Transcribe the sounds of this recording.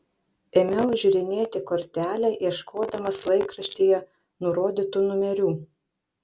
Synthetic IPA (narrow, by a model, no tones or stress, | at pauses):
ɛmʲɛʊʒʲʊɾʲɪnʲeːt̪ʲɪkɔɾʲt̪ʲæːlʲɛʔiɛʃkʰoːd̪ɐmɐslˠɐɪkɾɐʃʲt̪ʲiːjɛ | nʊɾoːd̪ʲit̪unʊmʲɛɾʲuː